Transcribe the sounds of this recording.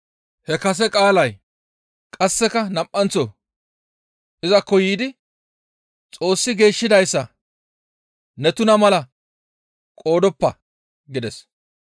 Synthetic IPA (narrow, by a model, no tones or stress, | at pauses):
hɛkɐs̬ɛkʼaːlɐj | kʼɐsːɛkɐnɐpʼʔɐnt͡so | ʔɪzɐkːɔjiːd̪ɪ | t͡sʼo̞ːsːɪɡe̞ːʃːɪd̪ɐjsːɐ | nɛt̪ʊnɐmɐlɐ | kʼo̞ːd̪ɔpːɐ | ɡɪd̪ɛs